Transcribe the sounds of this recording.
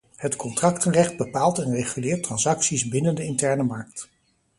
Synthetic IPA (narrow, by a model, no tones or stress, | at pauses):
hətkɔntrɑktərɛχd̚bəpaːlˠtɛnreχylɪːɹtːrɑnsɑksisbɪnəndəɪntɛɹnəmɑɹk̚t